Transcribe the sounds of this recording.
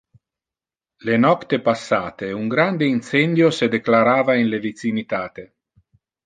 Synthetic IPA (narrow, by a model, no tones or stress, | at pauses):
lenɔkt̪epasːaːt̪euŋɡɾand̪eint̪sɛnd̪josed̪eklaɾaːvainlevit̪sinit̪aːt̪e